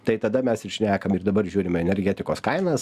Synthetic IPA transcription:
t̪ɐɪt̪ɐd̪ɐmʲɛsɪʃʲnʲæːkɐmɪɾd̪ɐbɐɾʒʲuːɾʲɪmɛnʲɛɾʲɡʲɛt̪ʲɪkoːskɐɪnɐs

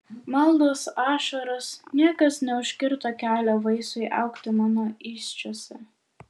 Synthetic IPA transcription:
mɐlˠd̪oːsɑːʃɐɾʊsnʲiɛkɐsnʲɛʊʃʲkʲɪɾt̪oːkʲæːlʲoːʋɐɪsʊɪʔɑ̰ˑʊkt̪ʲɪmɑːnoːɪːsʲt͡ʃʲoːsʲɛ

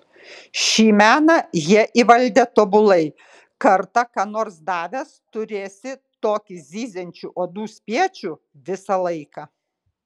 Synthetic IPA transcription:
ʃʲiːmʲæːnɑjiɛʔiʋɐlʲd̪ʲet̪oːbʊlˠɐɪ | kɐɾt̪ɐkɑːnoːɾsd̪ɑːʋʲɛst̪ʊɾʲeːsʲɪt̪oːkʲɪzʲiːzʲɛnʲt͡ʃʲuʔoːd̪uːsʲpʲiɛt͡ʃʲu | ʋʲɪsɐlˠɐɪkɑ

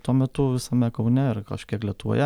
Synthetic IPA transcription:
t̪uɔmʲɛt̪ʊʋʲɪsɐmʲɛkɐʊnʲɛɪrkɐʃkʲiɛklʲiɛt̪ʊʋo̰jɛ

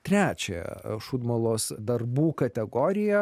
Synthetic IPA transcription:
t̪ʲɾʲæːt͡ʃʲɛjɛ̰ʃuːd̪mɐlˠoːsd̪ɐrbuːkɐt̪ʲɛɡoːɾʲɪjɛ

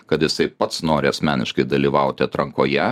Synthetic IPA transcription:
kɐt̪jɪsɐɪpɐt̪snoːɾʲɪɐsʲmʲæːnʲɪ̰ʃkɐɪd̪ɐlʲiːʋɐʊt̪ʲɪɐt̪ɾɐŋkoːjɛ

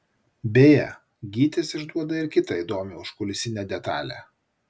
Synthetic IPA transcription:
bʲeːjɛ̰ | ɡʲiːt̪ʲesɪʒd̪uɔd̪ɐɪɾkʲɪt̪ɐid̪oːmʲɪʊʃkʊlʲɪsʲɪnʲɛd̪ʲɛt̪ɑ̰ːlʲæ̰ː

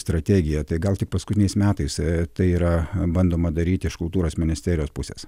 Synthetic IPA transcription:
st̪ɾɐt̪ʲæːɡʲɪjɛt̪ɐɪɡɐlˠt̪ʲɪk̚pɐskʊt̪ʲɪnʲɛɪsmʲæːt̪ɐɪst̪ɐɪiːɾɐbɐnd̪oːmɐd̪ɐɾʲiːt̪ʲɪɪʃkʊlˠt̪uːɾoːsmʲɪnʲɪsʲt̪ʲæːɾʲɪjoːspʊsʲḛs

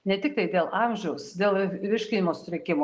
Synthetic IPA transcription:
nʲɛt̪ʲɪk̚t̪ɐɪd̪ʲeːlˠʔɑmʲʒʲɛʊsd̪ʲeːlˠʋʲɪʃʲkʲɪnʲɪmoːsʊ̥ɾʲɪkʲɪmo

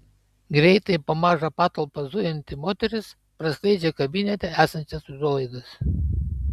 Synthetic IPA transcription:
ɡɾʲɛɪt̪ɐɪpoːmɑːʒɐpɑːt̪ɔlˠpɐzʊjʲɛnʲt̪ʲɪmoːt̪ʲɛɾʲɪs | pɾɐsʲlʲˠɛɪd͡ʒʲɛkɐbʲɪnʲɛt̪ʲɛæːsɐnʲt͡ʃʲɛsʊʒulˠɐɪd̪ɐs

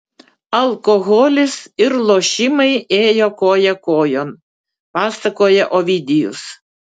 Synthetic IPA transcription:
ɐlˠkɔɣoːlʲɪsɪɾlˠoːʃʲɪmɐɪeːjoːkoːjɛkoːjoːn | pɑːsɐkoːjɛʔoːʋʲid̪ʲɪjʊ̰s

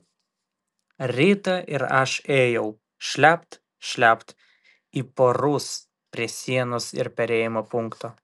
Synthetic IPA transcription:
ɾʲiːt̪ɐʔɪɾɐʃeːjɛʊ | ʃʲlʲæpt̪ | ʃʲlʲæpt̪ | iːpoːɾʊs | pʲɾʲiɛsʲiɛnoːsɪ̰ɾpʲɛɾʲeːjɪmoːpʊŋˑkt̪oː

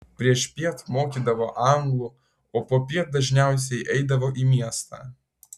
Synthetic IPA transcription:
pʲɾʲiɛʃpʲiɛt̪moːkʲiːd̪ɐʋoʔɑŋɡlˠu | oːpoːpʲiɛt̪̚d̪ɐʒʲnʲæˑʊs̬ʲɛɪʔɛɪd̪ɐʋoʔimʲiɛst̪ɐ̰

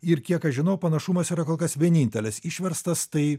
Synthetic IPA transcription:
ɪɾkʲiɛkɐʒʲɪnɐʊpɐnɐʃumɐsiːɾɐkoːlˠkɐsʋʲiɛnʲiːnʲt̪ʲɛlʲɪsiʃʲʋʲɛɾst̪ɐst̪ɐɪ

